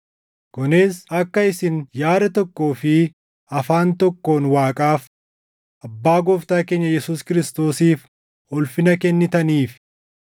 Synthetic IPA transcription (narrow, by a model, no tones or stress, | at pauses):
ɡ̥ɔne̞ːsɐkːɐɪsɪnjaːɾɐt̪ɔkːo̞ːfɪ | ɐfaːnt̪ɔkːo̞ːnwaːkʼaːf | ʔɐbːaːɡɔft̪aːke̞ːɲːɐjɛsuːskɪɾɪst̪o̞ːsiːf | ɔlfɪnɐkɛnːɪt̪ɐniːf